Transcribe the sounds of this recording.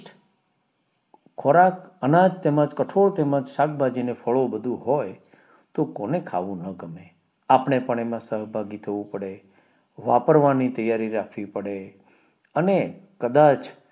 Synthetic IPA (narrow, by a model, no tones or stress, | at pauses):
ʈ | kʰoɾakənãd͡ʒt̪emãd͡ʒkəʈʰoɭt̪emãd͡ʒsak̚bʱad͡ʒinefʰəɭobəd̪ʱũɦoj | t̪okonekʰaʋũnəɡəme | apɳepəɳ̃emãsəɦbʱaɡit̪ʰəʋũpəɽe | ʋapəɾʋanit̪əjaɾiɾakʰʋipəɽe | ənekəd̪at͡ʃ